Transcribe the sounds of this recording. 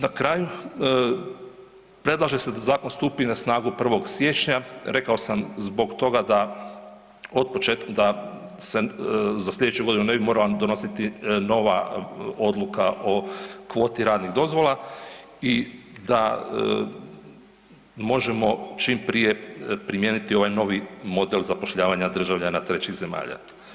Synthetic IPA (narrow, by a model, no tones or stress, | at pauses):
nakɾaːju | pɾe̞d̪lˠaʒese̞d̪azaːkonst̪uːpinasnaːɡupr̩ʋo̞ɡsje̞ːt͡ʃɲaɾe̞kao̞samzbo̞ɡt̪o̞ɡad̪a | o̞d̪̚pot͡ʃetd̪a | sezaslʲe̞d̪et͡ʃuɡo̞d̪inune̞bimo̞ɾalad̪o̞no̞sit̪ino̞ʋao̞d̪lukaʔo̞kʋo̞ːt̪iɾaːd̪niɣd̪o̞zʋo̞lˠa | id̪a | mo̞ʒemo̞t͡ʃimpɾije̞pɾimjeːnit̪io̞ʋajno̞ʋimo̞d̪elzapo̞ʃʎaːʋaɲad̪r̩ʒaʋʎanat̪ɾe̞t͡ɕiɣze̞ma̰ːʎa̰